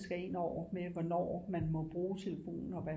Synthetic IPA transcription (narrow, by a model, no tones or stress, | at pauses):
sɡ̥æe̝n̰ɒʊ̰ɐmeʋɒnɒ̰ːmænmɒ̽b̥ʁuːt͡sʰe̝ləfo̝̰ːnn̩ɒ̽ʋæ